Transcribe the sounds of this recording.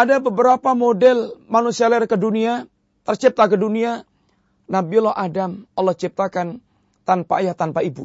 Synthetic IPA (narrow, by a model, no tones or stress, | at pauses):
ʔadabəbəɾapamodɛlmanusialɛrkədunia | t̪ərt͡ʃip̚t̪akədunia | nabilɔʔadamɔlːɔht͡ʃip̚t̪akan | t̪anpa̰jat̪anpaibu